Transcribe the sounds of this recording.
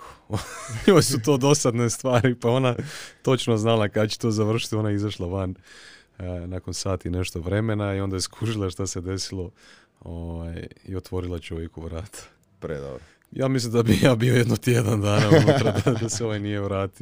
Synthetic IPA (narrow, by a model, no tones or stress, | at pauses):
joːjsut̪o̞ːd̪o̞sad̪nest̪ʋaːɾipao̞nat̪o̞t͡ʃnoznalakad̪at͡ɕe̥t̪o̞ːzaʋr̩ʃi̥t̪io̞naizaʃlˠaʋan | nako̞nsaːt̪ine̞ʃt̪o̞ʋɾe̞me̞naio̞nd̪ajeskʰuʒilˠaʃt̪ase̞d̪e̞silˠo̞ | oʋajḭo̞t̪ʋo̞ɾilˠat͡ʃo̞ʋjekuʋɾaːt̪ʰḁ | pɾḛd̪o̰ɾ | jaːmislimd̪abijaːbiojed̪not̪jed̪and̪aːnaonɾad̪ad̪aseoʋajnijeʋɾaːt̪i